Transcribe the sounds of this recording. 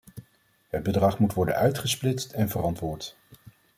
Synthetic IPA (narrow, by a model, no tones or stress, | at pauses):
ɦəd̚bədʁɑχmutʋɔɹdə̰nœɥtχəsplɪstɛnvərɑntʋʊːɹt